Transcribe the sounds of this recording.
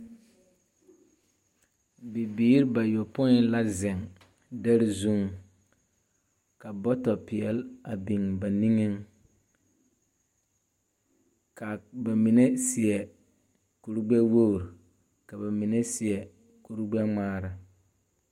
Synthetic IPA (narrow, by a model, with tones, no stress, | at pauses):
bi˨biː˦ɾba˨jo˨pʊ˦ɪ˦la˦zɪ˨ŋ | da˦ɾi˦zu˦ŋ | ka˨bɔ˦tɔ˨pɪ˨ɛ˨la˨bi˨ŋba˨ni˦ŋɪ˦ŋ | ka˨ba˨mi˨ne˦sɪ˨ɛ˨ | ku˨ɾɡ͡bɛ˦wo˦˨ɾ | ka˨ba˨mi˨ne˦sɪ˨ɛ˨ | ku˨ɾɡ͡bɛ˦ŋ͡maː˦ɾa˨